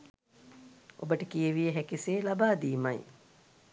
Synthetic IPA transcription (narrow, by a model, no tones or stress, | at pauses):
o̰bəʈəkijəʋijəɦækiseːlabaːd̪iːmɐj